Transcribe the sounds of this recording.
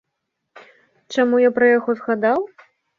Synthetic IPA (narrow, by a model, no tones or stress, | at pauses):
t͡ʂamujapɾɐjaɣɔzɣad̪aw